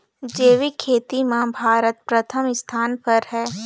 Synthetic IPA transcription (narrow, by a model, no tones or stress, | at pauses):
d͡ʒeːʋikʰeːt̪imẽbʱaːɾət̪pɾət̪ʰəmɪst̪ʰaːnpɐɾɦɛː